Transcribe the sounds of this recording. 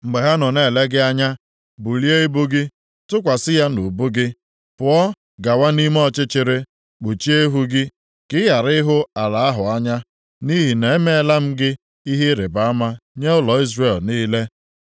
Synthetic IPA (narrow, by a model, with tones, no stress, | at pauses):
ŋ͡m̩˨ɡ͡be˨ɦa˦nɔ˨ne˨le˦ɡɪ˦a˦ɲa˦ | bu˨li˦e˦e˦bu˦ɡɪ˦ | tʊ˦kʷa˨sɪ˦ja˦nu˨bu˦ɡɪ˦ | pʊ˨ɔ˦ | ɡa˨wa˦ni˦m˦ɔ˦t͡ʃɪ˦t͡ʃɪ˨ɾɪ˦ | k͡pu˨t͡ʃi˦e˦ɦu˦ɡɪ˦ | kɪ˦ja˨ɾɪ˦ɦʊ˦a˨la˨a˦ɦʊ˨a˦ɲa˦ | ni˦ɦi˨ne˨e˦me˦e˨la˦m̩˦ɡɪ˦ | i˦ɦi˦ɾɪ˨ba˨a˦ma˦ɲe˦ʊ˦lɔ˨i˦zre˦˨lniː˦le˦